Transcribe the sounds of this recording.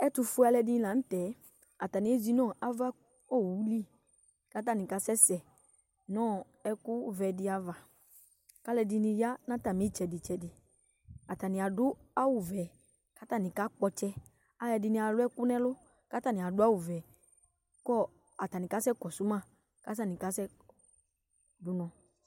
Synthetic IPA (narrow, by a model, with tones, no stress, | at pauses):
ɛ˦tʊ˧fʊ˦a˧lɛ˧dɪ̃˧˦la˨n̩˦tɛ˨˦ | a˨ta˨nɪ˨˦e˦zi˦nɔ̃˦˨ʔa˦va˦ | o˦˨wu˨˦li˦ | ka˦t̬a˦˨nɪ̃˨ka˨˦sɛ˦sɛ˨ | nɔ̃˦˨ | ɛ˦kʊ˦vɛ˨dɪ˧˦a˨va˨ | ka˦lɛ˧dɪ˧nɪ̃˧ja˦nã˦ta˨mĩ˨˦t͡ʃɛ˨dɪ˨t͡ʃɛ˨dɪ˨ | a˨ta˨nɪ̃˨a˨dʊ˦a˦wʊ˨vɛ˨ | ka˨˦ta˦˨nɪ̃˨ka˦k͡pɔ˧t͡ʃɛ˧ | a˦jɛ˧dɪ˧nĩ˧a˨lʊ˦ɛ˦kʊ˦nɛ̃˦lʊ˦ | ka˦ta˨nĩ˨a˨dʊ˦a˦wʊ˨vɛ˨ | kɔ˦ | a˨ta˨nɪ̃˨ka˨˦sɛ˦kɔ˨su˨˦mã˦˨ | ka˨˦s̬a˦˨nĩ˨ka˦sɛ˦ | dʊ˨nɔ̃˧